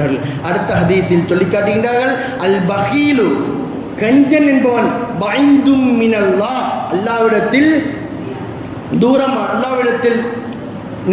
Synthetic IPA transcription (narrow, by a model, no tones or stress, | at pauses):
ɐɭ | ɐɽɯt̪ːɐɦɐd̪iːθɪltɔɭlːikːaːʈːɯɣɪɳɖaːɾɣɐɭ | ɐlbɐɣiːlu | kɐɲd͡ʒɐnɛnbɐʋɐnbɐʕind̪ʊmːɪnɐlːaːɐlːaːʋɪɽɐt̪ːɪl | d̪uːɾɐmaːɐlːaːʋɪɽɐt̪ːɪl | n